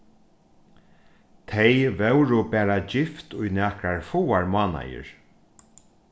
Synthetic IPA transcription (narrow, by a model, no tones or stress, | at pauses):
t̪ʰejvɛwɾʊpɛːɾad͡ʒɪft̪ʊjnɛːkɾaɹfuwaɹmaːna̰jə̰ɹ